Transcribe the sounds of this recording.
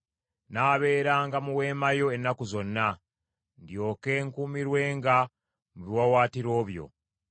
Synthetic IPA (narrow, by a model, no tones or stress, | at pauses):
naːβe̞ːɾaːŋɡamuwe̞ːmajo̞enːakuzo̞nːa | ndjo̞ːke̞ːŋkuːmiɾwe̞ːŋɡa | muβiwawaːtiɾo̞ːβjo̞̰